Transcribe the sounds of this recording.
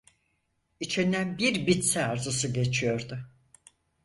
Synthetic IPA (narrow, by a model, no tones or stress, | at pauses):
it͡ʃʰind̪ænbiɾbit̪sɛaɾzɯsɯɟe̞t͡ʃʰijo̞ɾd̪ʊ